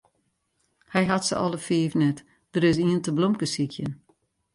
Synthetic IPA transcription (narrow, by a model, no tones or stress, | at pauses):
hɛjɦatsə̰ʔɔ̰ləfiːvnɛt | d̥əɾɪs̬iəntəblomkəsikʰjən